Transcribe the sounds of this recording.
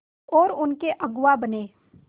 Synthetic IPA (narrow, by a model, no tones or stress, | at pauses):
ɔːɾʊnkeʔɐɡʊwabɐneː